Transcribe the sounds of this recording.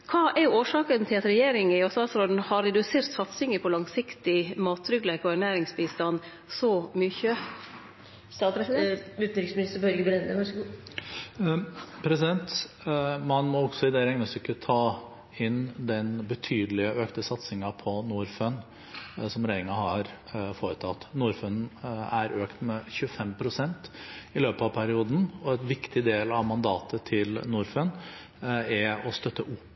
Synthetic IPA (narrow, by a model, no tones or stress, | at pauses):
kʰɑːʔɛɾjʊoːʂɑːkənt̪ʰɪlɑt̪ɾɛjeːɾɪŋɪɔsɑːsɾɔln̩hɑɾɛd̪ʉseːɾt̪sɑt̪sɪŋəpʰɔlɑŋsɪkt̪ɪmɑːt̪ʰːɾʏɡlɛkʊæɳæːɾɪŋsbiːst̪ɑn | sɔmʏçə | sɑ | ʉːt̪n̩ɾɪksmnɪst̪əɾbœɾɡəbɾɛnd̪əʋɑʂɡ | pʰɾɛsɪd̪ɛnt̪ | mɑnmɔɔɡsɔɪd̪ɛɾɛŋnəsʏkːət̪ʰɑː | ɪnd̪ɛnbət̪ʰyːd̪əlɪəʔøːkt̪əsɑt̪sɪŋɑpʰɔnuːɾfœn | sɔmɾæɪɪŋɑhɑɾfoːɾət̪ʰɑt̪ːnuːɾfœnæɾøːkt̪mɛçʉəfɛmpʰɾʊsɛnt̪ɪløːpɑʋpʰæɾɪuːd̪n̩ɔɛt̪ʋɪkt̪ɪd̪eːlɑʋmɑnd̪ɑːt̪ʰət̪ʰɪlnuːɾfən | ɛɔst̪œt̪ːəʔʊpː